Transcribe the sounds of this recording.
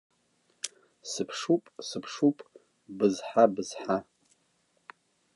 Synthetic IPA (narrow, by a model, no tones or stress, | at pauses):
sɨpʰʂupʼsɨpʰʂupʼ | bɨzħabɨz̥ħa